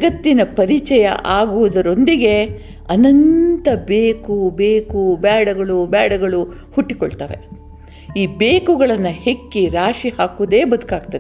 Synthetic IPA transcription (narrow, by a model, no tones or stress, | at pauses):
ɐt̪ːinɐpɐɾit͡ʃɛjɐ̰ʔaːɡuʋud̪ɐɾo̞nd̪iɡe̞ | ɐnɐnt̪ɐbeːkubeːkubaːɽɐɡɐɭubaːɽɐɡɐɭu | huʈːiko̰ɭt̪aːʋe̞̰ | iːbeːkuɡɐɭɐnːɐhe̞kːiɾaːʂihaːkuʋd̪e̞ːbɐd̪ukaːɡt̪ɐd̪e